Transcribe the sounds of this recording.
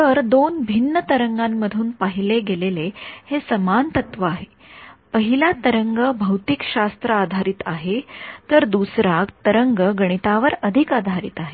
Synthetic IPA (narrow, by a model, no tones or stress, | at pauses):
t̪əɾd̪onbʱinːət̪əɾəŋɡãmːəd̪ʱuːnpaɦileɡelelehesəmant̪ət̪ʋəaɦe | pəɦilat̪əɾəŋɡəbʱəwt̪ikɕast̪ɾəad̪ʱaɾiːt̪aɦet̪əɾd̪usɾakt̪əɾəŋɡəɡəɽ̃it̪aʋəɾəd̪ʱikad̪ʱaɾḭt̪aɦe